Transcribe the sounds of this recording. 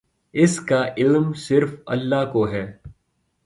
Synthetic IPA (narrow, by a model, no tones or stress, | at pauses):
ɪskaʔɪlmsɪɾfɐ̰lːaːkoɦɛː